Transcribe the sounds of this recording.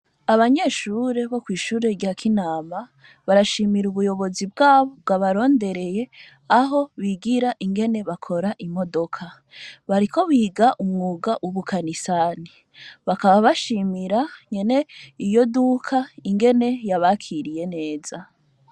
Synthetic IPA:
aβaɲe̞ːʃuːɾe̞βo̞kwiːʃuːɾe̞ɾɟaːkʰinaːma | βaɾaʃiːmiɾuβujo̞βo̞zib̚ɡaːβobɡaβaɾo̞ːnde̞ɾe̞je̞ | aɦo̞βiɡiɾaʔiŋɡe̞ne̞βakʰo̞ɾaʔimo̞do̞kʰa | βaɾiko̞βiːɡaʔumŋuːɡaʔuβukʰanisaːni | βakaβaβaʃiːmiɾaɲe̞ne̞ijo̞dukʰaiŋɡe̞ne̞jaβakʰiɾije̞ne̞ːz̥a

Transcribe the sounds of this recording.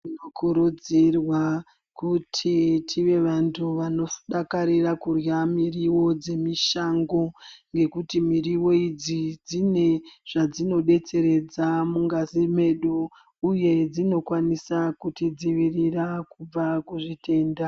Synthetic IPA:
inokʰuɾud͡zirwa | kutʰitʰiʋe̞ʋantʰuʋanofu̥ɗakaɾirakurjamiriwo̞d͡ze̞miʃaŋɡo̞ŋɡe̞kutimiriwo̞id͡zid͡zine̞ʐ̥ad͡zino̞ɗe̞t͡se̞ɾe̞d͡zamuŋɡazime̞ɗuː | je̞d͡zino̞kwanisakutid͡ziʋirirakub͡vakuʐitʰe̞ːnda

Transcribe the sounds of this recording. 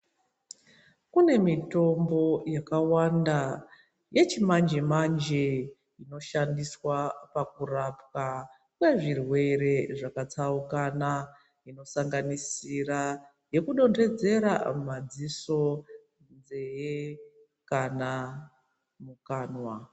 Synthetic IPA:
kune̞mito̞mbo̞jakawanda | je̞t͡ʃimand͡ʒemand͡ʒe | ino̞ʃandiswapakurapka | kwe̞ʐirwe̞ɾe̞ʐakat͡saukana | ino̞saŋɡanisira | je̞kuɗo̞nre̞d͡ze̞ɾa̰mad͡ziso̞ | nd͡ze̞je | kana | mukaːnwa

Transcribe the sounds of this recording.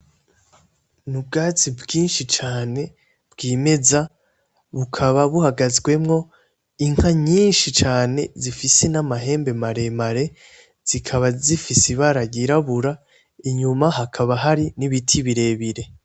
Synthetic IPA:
nub̚ɡaːt͡sibɡiːnʃit͡ʃaːne̞ | b̥ɡiːme̞za | βukʰaβaβuhaɡazɡwe̞mŋo̞ | iŋ̥haɲiːnʃit͡ʃaːne̞zifise̞namaɦe̞ːmbe̞maɾe̞maɾe̞ | z̥ikʰaβazifisiβaɾaɟiɾaβuɾa | iɲumaɦakʰaβaɦaɾiniβitʰiβiɾe̞βiɾe̞

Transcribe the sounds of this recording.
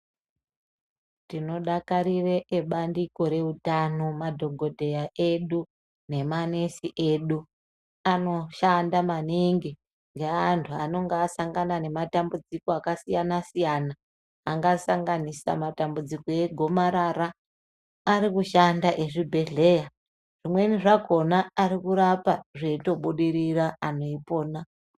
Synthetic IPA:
tino̞ɗakaɾireʔeɓandiko̞ɾe̞utano̞madʱo̞ɡʱo̞dʱe̞jaʔe̞ɗu | ne̞mane̞siʔe̞ɗu | ano̞ʃandamaniŋɡi | ŋɡeantʰuano̞ŋɡeasaŋɡanane̞matambud͡zikoakasijanasijanaː | ŋɡaːsaŋɡanisa̰matambud͡zikoe̞ɡʱo̞maɾaɾaː | ɾikuʃandaʔe̞ʐibʱe̞ɮe̞ja | ʐimwe̞niʐaɡʱo̞naːɾikuɾapaʐeito̞ɓuɗiɾiraʔano̞ipo̞ːna

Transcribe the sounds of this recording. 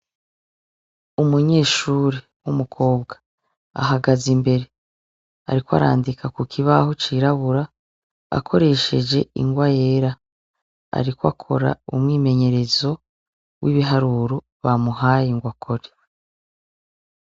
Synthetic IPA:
umuɲe̞ːʃuɾe | wumukʰo̞ːbɡḁ | a̰ɦaɡazimbe̞ɾe̞ | a̰ɾikwa̰ɾa̰ːndikʰakukʰiβahot͡ʃiɾaβuɾa | a̰kʰo̞ɾe̞ʃe̞d͡ʒe̞ḭŋɡwaje̞ːɾa | a̰ɾikwa̰kʰo̞̰ɾa̰umŋiːme̞ɲe̞ɾe̞zo̞ | wʔiβiɦaɾuːɾo̞ | βamuɦaːjiŋɡwakʰoɾe

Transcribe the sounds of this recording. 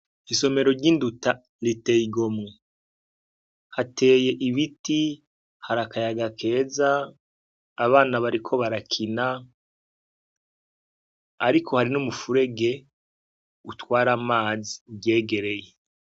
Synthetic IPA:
iso̞me̞ɾo̞ɾɟinduta | ɾiteːiɡo̞mŋe | hatʰe̞ːje̞ʔiβiti | haɾakajaɡakʰe̞ːzaː | βaːnaβaɾikʰo̞βaɾakʰina | ɾikʰo̞haɾinumufuɾe̞ɡe̞ | utwaːɾamaːziuɟe̞ːɡe̞ɾe̞je

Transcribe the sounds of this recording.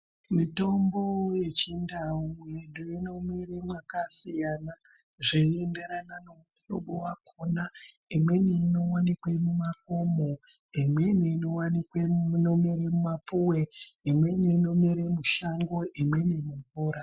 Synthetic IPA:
mito̞mbo̞je̞t͡ʃindaujeɗuino̞miremwakasijana | ʐeende̞ɾanane̞muso̰ɓowakʰona | imwe̞neino̞wanikwemumako̞mo | imwe̞neinowanikwenomiɾemumapuweimwe̞neino̞miɾemuʃaŋɡo̞ʔimwe̞nemuɱvuːɾa

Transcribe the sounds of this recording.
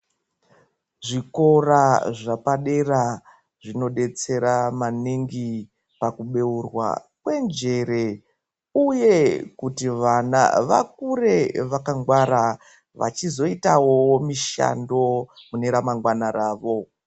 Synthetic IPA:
ʐiko̞raʐapaɗe̞ra | ʐino̞ɗe̞t͡se̞ɾamaniŋɡi | pakuɓe̞urwa̰kwe̞nd͡ʒe̞ɾe̞ | uje̞kutiʋana̰ʋa̰k̚ure̞ʋakaŋɡwaɾa | ʋa̰t͡ʃizo̞itawomiʃa̰ndo̞mune̞ɾamaŋɡwanaɾaːʋo̞

